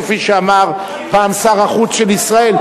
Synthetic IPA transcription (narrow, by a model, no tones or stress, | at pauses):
fiʃeamaʁ | paːmsaʁaχut͡sʃelisʁae̞l